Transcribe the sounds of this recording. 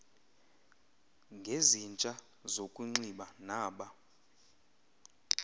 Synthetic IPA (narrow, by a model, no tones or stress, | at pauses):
ŋɡʱezint͡ʃʼa | zokʼuŋ͡ǀiɓanaːɓa